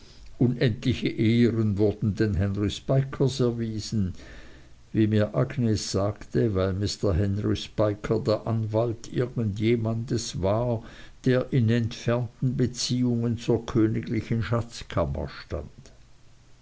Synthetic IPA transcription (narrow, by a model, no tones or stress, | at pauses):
ʔʊnʔɛntlɪçəʔeːəʁənvʊɐd̥n̩denɦɛnʁispaɪkʰəsɛɐviːzn̩ | viːmiːɐʔaɡneːsz̥aːktəvaɪlmɪstɐɦɛnʁispaɪkʰədeːɐʔanvaltʰʔɪ̰ɐɡən̩tjeːmandəsvaːɐd̥eːɐʔɪnɛntfɛɐntn̩bət͡siːʊŋənt͡suːɐkʰøːnɪɡlɪçənʃat͡skʰamɐ̰ʃta̰nd̥